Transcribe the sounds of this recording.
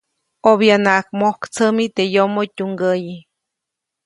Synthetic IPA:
objanaʔkmohkt͡səmit̪ejomotʲuŋɡəji

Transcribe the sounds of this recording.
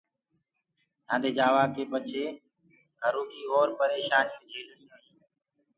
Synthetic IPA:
jãːd̪eːd͡ʒaːʋaːkeːɓət͡ʃʰeː | ɡʱəɾũːkiːɦoːɾpəɾeːʃaːnjũːd͡ʒʱeːlɽiːɦoĩː

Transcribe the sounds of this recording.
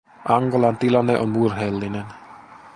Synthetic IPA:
ʔɑŋɡolɑnt̪ilɑnːeʔonburɦelːinen

